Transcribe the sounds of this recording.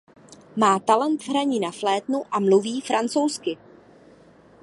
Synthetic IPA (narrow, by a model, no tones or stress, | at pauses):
maːt̪alɛnt̪vɦɾaɲiːnaflɛːt̪nuʔamluviːfɾʔant͡sowskɪ